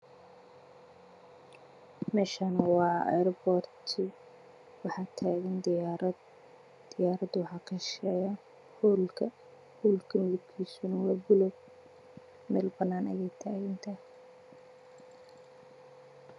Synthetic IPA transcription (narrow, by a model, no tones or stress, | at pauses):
mɛːʃaːnɐwɑːɛ̰ɾbɔrt̪ʰɪ | wɑħɑːt̪ʰaːɣɐnd̪ɾɐ | d̪̥ɪjaːɾɐd̪wɑħɑːkʰɐʃɛːja | huːlkʰɐ | huːlkʰɐmɪðʊb̚kʰiːsʊnɐwɑːbʊlɔɡ̚ | mɛːlbɐnaːnɐ̰jɛjt̪ʰaːɣɪnt̪ʰɐ